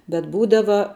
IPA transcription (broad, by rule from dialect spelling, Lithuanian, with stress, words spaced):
bʲɛt ˈbuːdɐʋɐ